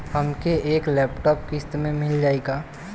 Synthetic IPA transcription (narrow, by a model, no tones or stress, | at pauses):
həmkeeːklɛːpʈɔːpkɪst̪mẽmɪld͡ʒaːeːɡaː